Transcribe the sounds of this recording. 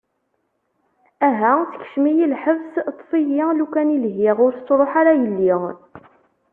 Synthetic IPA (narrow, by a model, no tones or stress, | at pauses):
æɦæt͡sə̥ç̥ʃmijilħəvst̪ˤːfijilukænilɦɪʁʊɾθət͡sːɾˤoħaɾajəlːi